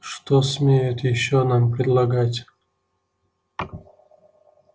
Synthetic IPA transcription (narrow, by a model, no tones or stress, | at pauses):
ʂt̪osmʲejʊt̪jɪɕːonampɾʲɪd̪lˠɐɡatʲ